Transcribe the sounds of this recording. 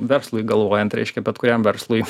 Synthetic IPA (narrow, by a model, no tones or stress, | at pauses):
ʋʲɛɾslˠʊjɡɐlˠʋoːjɛnt̪ɾʲɛ̰ɪʃʲkʲɛbʲɛt̪kʊɾʲɛmʋʲɛɾslˠʊj